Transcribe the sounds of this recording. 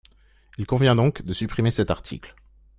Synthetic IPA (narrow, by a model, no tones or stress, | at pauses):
ilkɔ̃vjɛ̃d̪ɔ̃kd̪əsypχimesɛt̪aʁt̪ʰḭkl